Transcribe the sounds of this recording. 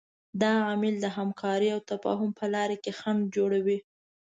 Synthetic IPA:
d̪ɑamɪld̪əɦamkʰɑɾiawt̪afɑ̰ɦʊmpʰəlɑɾekexand͡ʒoɽawi

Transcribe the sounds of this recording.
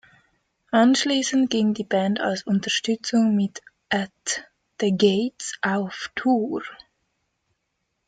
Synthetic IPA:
ʔanʃliːsən̩t̚ɡ̥ɪŋdiːbɛntʰa̰lsʊntɐʃtʏt͡sʊŋmɪt | ʔat | d̥əɡetsʔaʊftʰuːʁ

